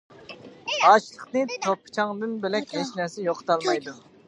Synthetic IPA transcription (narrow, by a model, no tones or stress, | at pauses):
ɑʃlˠəqnɨt̪ʰopʰːt͡ʃʰɑŋd̪ɨnbɪlɛk̪̚ʲɛʃnɛsɪjoqʰt̪ʰɑlˠmɑjd̪u